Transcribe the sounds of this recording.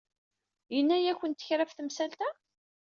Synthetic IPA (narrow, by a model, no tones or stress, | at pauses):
jənːæjæçʷənt̪ːə̥çɾæfθəmsælt̪æ